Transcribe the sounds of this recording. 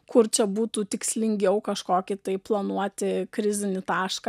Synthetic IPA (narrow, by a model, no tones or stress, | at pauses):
kʊrt͡ʃʲɛbuːt̪uːt̪ʲɪksʲlʲɪŋʲɡʲɛʊkɐʃkoːkʲɪt̪ɐɪplˠɐnuɔt̪ʲɪkɾʲɪzʲɪnʲɪt̪ɑːʃkɑ